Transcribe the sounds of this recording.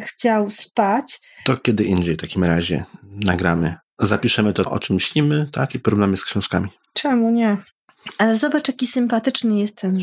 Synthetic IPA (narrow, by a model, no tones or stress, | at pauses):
xt͡ɕawspat͡ɕt̪ɔkʲɛd̪ɘʔind͡ʑejft̪akʲimɾaʑɛ̰naɡɾamɘ | zapʲiʂɛmɘt̪ɔʔɔ̰t͡ʂɘmːɕlʲimɘt̪akipɔɾuvnamɘskɕɔ̃w̃ʂka̰mʲi | t͡ʂɛmuɲɛ | alɛzɔbat͡ʂjakʲisɘmpat̪ɘt͡ʂnɘjɛst̪t̪ːɛn